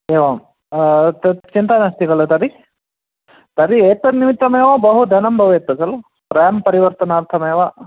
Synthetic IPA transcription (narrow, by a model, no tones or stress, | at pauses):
eːʋɐm | ɐt͡ʃint̪ɐnɐst̪iɡɐɭut̪ɐɾi | t̪ɐɾieːt̪ːɐnimit̪ːɐmeːʋɐbɐɦud̪ʱɐnɐmbʱɐʋeːt̪ːɐsɐlu | pɾaːɐmpɐɾiʋɐɾt̪ɐnaːɾt̪ʰɐmeːʋɐ